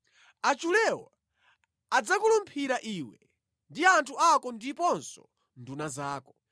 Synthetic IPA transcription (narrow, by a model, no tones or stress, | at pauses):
at͡ʃulɛwɔ | ad͡zakulumpʰiɾaʔiwɛ | ndiantʰuakɔndipɔnsɔ | ndunazaːkɔ